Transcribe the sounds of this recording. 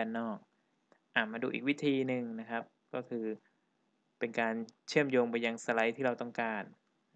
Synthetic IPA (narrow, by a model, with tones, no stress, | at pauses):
ɛː˧nːɔː˥˩k̚ | ʔaː˨˩maː˧duː˧ʔiː˨˩k̚wi˦˥t̪ʰiː˧nɯ˧ŋna˦˥kʰa˦˥p̚ | kɔː˥˩kʰɯː˧ | pe˧nkaː˧nt͡ɕʰɯ˥˩əmjoː˧ŋpa˧jːa˧ŋsa˧la˦˥jt̪ʰiː˥˩ɾa˧wt̪ɔ˥˩ŋkaː˧n